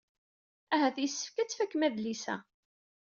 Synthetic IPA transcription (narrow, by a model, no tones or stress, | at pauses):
æɦæθjəsːə̥fkæt͡sːfækːmæðlisæ̰